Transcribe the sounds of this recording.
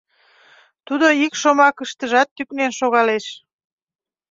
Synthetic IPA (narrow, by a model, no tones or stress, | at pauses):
t̪ud̪oikʃomɑkəʃt̪əʒɑt̪ːyknenʃoɣɑleʃ